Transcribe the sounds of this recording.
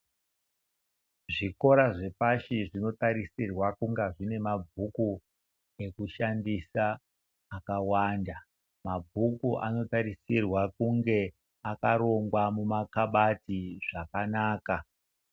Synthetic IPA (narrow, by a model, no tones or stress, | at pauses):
ʐiko̞ɾaʐe̞paʃiʐino̞taɾisirwakuŋɡaʐine̞mab͡vʱuku | e̞kuʃandisaː | kawaːnda | mab͡vʱukuʔa̰no̞taɾisirwakuŋɡe̞ | akaɾo̞ŋɡwamumakaɓatiʐakanaːka